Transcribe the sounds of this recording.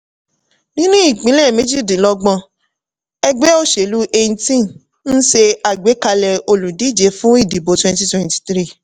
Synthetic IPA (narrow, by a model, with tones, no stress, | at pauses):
nĩ˦nũ˦i˦˨k͡pĩ˨˦lɛ˦˨mẽ˨˦d͡ʒi˦˨dĩ˨˦lɔ˧ɡ͡bɔ̃˧ | ɛ˧ɡ͡bɛ˦o˦ʃe˨lu˦ʔe˧nĩ˧tĩ˦˨n | n̩˦ʃe˧a˨ɡ͡be˨˦ka˧lɛ˧o˧lũ˨di˨˦˨d͡ʒe˨˦fũ˦i˦˨di˨bo˨˧twɛ̃˧nti˧˦twɛ̃˨nti̥˧t̪ɾi˦˨